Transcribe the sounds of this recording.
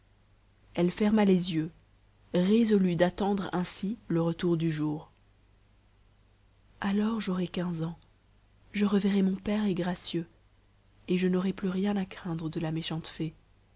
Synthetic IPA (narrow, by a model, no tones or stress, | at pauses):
ɛlfɛʁmalezjø | ʁezɔlyd̪at̪ɑ̃d̪ʁɛ̃siləʁət̪uʁd̪yʒuːʁ | alɔʁʒɔʁɛkʲɛ̃zɑ̃ | ʒəʁəvɛʁɛmɔ̃pɛʁɛɡʁasjø | eʒənɔʁɛplyʁjɛ̃nakχɛ̃d̪ʁəd̪əlameʃɑ̃t̪fe